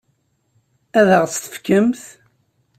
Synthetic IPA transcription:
æðəʁt͡st̪ə̥fkəmθ

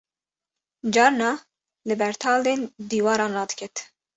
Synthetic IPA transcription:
d͡ʒɑːɾnɑː | lɨbɛɾt̪ʰɑːld̪eːnd̪iːwɑːɾɑːnrɑːd̪ɨ̥kʰɛt̪

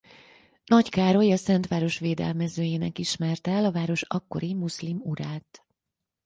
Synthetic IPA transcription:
nɒckaːɾojɒsɛnt̪ʋaːɾo̞ʃʋeːd̪ɛ̰lmɛzøːjeːnɛkiʃmɛrt̪ɛlɒvaːɾo̞ʃɒkːo̞̰ɾimuslimuɾaːt̪

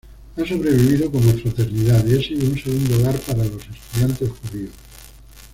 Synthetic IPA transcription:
aso̞βɾe̞β̞iβ̞iðokonmafɾat̪e̞ɾniðaðiesiðounseɣ̞und̪ooɣaɾpaɾalo̞se̞st̪uðjant̪e̞sxuðios

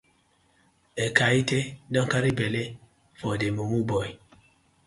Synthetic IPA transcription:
ekaitedɔŋkaɾibele | fɔdemumubɔi

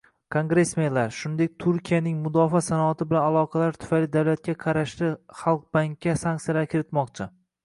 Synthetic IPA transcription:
kʰoŋɡɾe̞smelaɾʃʊnd̪e̞k̚ʲt̪ʰʊɾkʲijanɪŋmʊd̪ɒfasanɒat̪ʰɪbɪlanalˠɒqʰɑlaɾt̪ʰʊ̥fajlɪd̪awlat̪̚kʲaqʰɑɾaʃlɪχɑlˠq̚baŋkʲːasaŋʲk̚t̪sijalaɾkʲʰɪɾɪt̪mɒqt͡ʃʰɪ

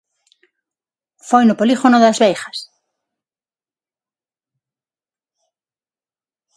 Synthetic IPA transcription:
fojnʊpoliɣonoðazβejxas

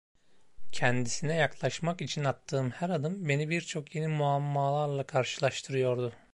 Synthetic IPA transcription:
cʰɛnd̪isinɛjaklˠaʃmakit͡ʃʰinat̪ʰːɯːmhæɾad̪ɯmbe̞nibiɾt͡ʃʰo̞kje̞nimuamːaːlˠaɾlˠakʰaɾʃɯlˠaʃt̪ʰɯɾɯjo̞ɾd̪ʊ

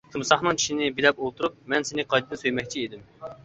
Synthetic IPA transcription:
t̪ʰumsɑχnɨŋt͡ʃʰi̥ʃinɪbilɛpolˠt̪ʰuɾup̚mɛnsenɪqʰɑjd̪ɨd̪ɨsøjmɛk̚ʲt͡ʃʰied̪ɪm

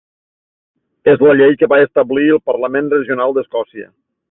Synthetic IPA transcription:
ezləʎejkəβaest̪əbliəlˠpərləmenrəʒiunalˠd̪əskɔsiə̰

